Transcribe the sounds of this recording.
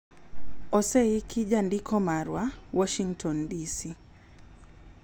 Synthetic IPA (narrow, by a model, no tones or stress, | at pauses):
ɔsɛikʰiʄandikʰɔmaɾwawɔʃiŋtʰɔndisi